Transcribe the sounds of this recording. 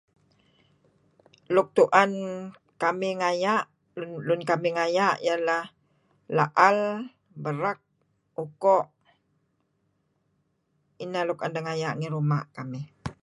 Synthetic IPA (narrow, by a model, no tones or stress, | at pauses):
lʊk̚t̪uʔan | kamɪŋajaʔ | nlʊnkamɪŋajaʔjalah | laʔal | bəɾak̚ | ukɔʔ | inalukandaŋajaʔŋiɾuma̰ʔkamɪ